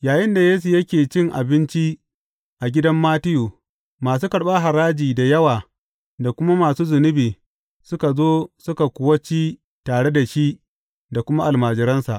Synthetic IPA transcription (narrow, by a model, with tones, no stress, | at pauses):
jaː˨jɪ˦nda˨jeː˦s̬u˨jɐ˦kʲeː˨t͡ʃɪ˦ŋʔa̰˨bɪ˦nt͡ʃi˦ | ʔa˨ɡʲɪ˦dɐ˦mːaː˦tɪ˦juː˨ | maː˨s̬uː˦kɐ˨ɽɓa˦ɦa˨ɾaː˦d͡ʒiː˨da˨jɐ˦waː˨ | da˨kʷʊ˦ma˦maː˨suː˦zʊ˨nʊ˦biː˨ | sʊ˦ka˨zoː˦sʊ˦ka˨kʷʊ˨wɐ˦t͡ʃiː˦ | taː˨ɽe˦da˨ʃi˦ | da˨kʷʊ˦ma˦ʔa˨lmaː˨d͡ʒɪ˨˦ɾɐ˦nsa̰˨ʔ